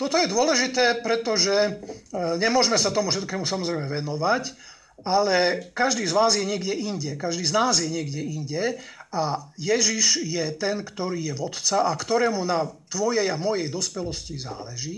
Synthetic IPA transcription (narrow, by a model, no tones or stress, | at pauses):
t̪ɔt̪ɔjɛd̪ʊɔlɛʒit̪ɛːpɾɛt̪ɔʒɛ | ɲɛmʊɔʒmɛsat̪ɔmufʃɛt̪kɛːmusamɔzɾɛɪjmɛʋɛnɔʋac | alɛkaʒd̪iːzʋaːzjɛɲɪɛɡɟɛʔinɟɛkaʒd̪iːznaːzjɛɲɪɛɡɟɛinɟɛajɛʒiʒjɛt̪ɛnkt̪ɔɾiːjɛʋɔt̪t͡saʔakt̪ɔɾɛːmunat̪ʋɔjɛjamɔjɛjd̪ɔspɛlɔsciza̰ːlɛʒiː